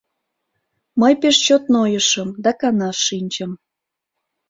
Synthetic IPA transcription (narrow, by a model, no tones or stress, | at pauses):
məjpeʃt͡ɕot̪nojəʃəmd̪ɑkɑnɑʃːinʲt͡ɕəm